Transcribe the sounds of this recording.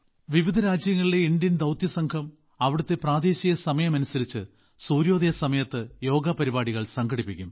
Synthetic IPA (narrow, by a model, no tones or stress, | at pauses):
ʋiʋid̪ʱɐɾaːd͡ʑjɐŋːɐɭileiɳd̪jɐnd̪ɐwt̪jɐsɐŋkʰɐm | ɐʋiɽut̪ːe̞praːd̪e̞ːɕijɐsɐmɐjɐmɐnusɐɾit͡ɕːɨ | suːɾjo̞ːd̪ɐjɐsɐmɐjɐt̪ːɨjo̞ːɡɐpɐɾibaːɽiɣɐɭsɐŋɡʰʱɐɽipːikʲːum